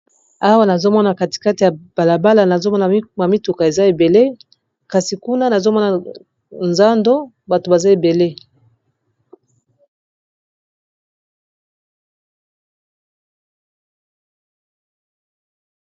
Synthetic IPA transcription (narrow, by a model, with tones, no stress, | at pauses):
a˦wa˦na˨zo˦mɔ˦na˨ka˨ti̥˨ka˦ti˨ja˨b̥a˨la˨ba˦la˨na˨zo˦mɔ˦na˨˦ma˨mi˦tu˨ka˨e˨za˦e˨be˨le˦ | ka˨si˨ku˦na˦na˨zo˦mɔ˦na˨ | nza˦ndo˦ | ba˨to˨ba˨za˦e˨be˨le˦